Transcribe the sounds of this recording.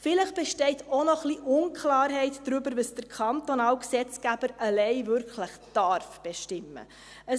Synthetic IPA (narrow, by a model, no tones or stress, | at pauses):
fɪləχb̥ɛʃtɛɪtonɔχliʔʊnkʰlɑːɾɦɛɪtd̥ɾybəɾvəsd̥əɾkʰɑnt̪onɑːlksɛt͡sɡ̥æb̥əɾəlɛɪvʏɾkʰləχd̥ɑɾfb̥eʃtɪmːə̰ | ə